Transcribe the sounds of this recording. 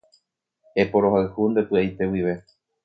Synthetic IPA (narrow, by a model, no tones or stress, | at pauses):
epo̞ɾo̞ɦaɨhund̪e̞pɨajt̪e̞wiʋe̞